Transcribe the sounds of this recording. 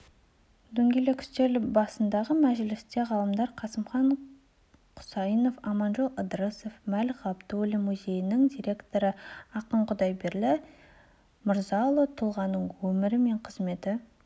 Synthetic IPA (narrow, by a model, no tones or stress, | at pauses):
d̪ɵŋɡʲelekʲʰʏ̥st̪e̞lbɑsənd̪ɑʁəmæʒlɪst̪e̞ʁɑlˠəmd̪ɑɾqʰɑsəmχɑɴ | qʰʊ̥sɑjəno̞fɑmɑnʒolˠəd̪ɾəsofmælʁɑpt̪wɵlɪmuzʲe̞jɪnɪŋd̪ʲijɾʲe̞kt̪o̞ɾəɑqəɴqʰʊd̪ɑjbeɾlɪ | məɾzɑlˠot̪ʰʊlˠʁɑnːəɴwɵmɪɾɪme̞ɴqʰəzme̞t̪ɪ